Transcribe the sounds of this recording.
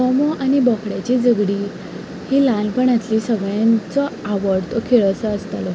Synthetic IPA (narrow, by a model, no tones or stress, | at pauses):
ɔmɔʔañibəkʰɽjat͡ɕid͡zəɡɽi | hilanpəɳat̪lisəɡɭjãnt͡sɔaʋəɽt̪ɔkʰeɭəsaəst̪alɔ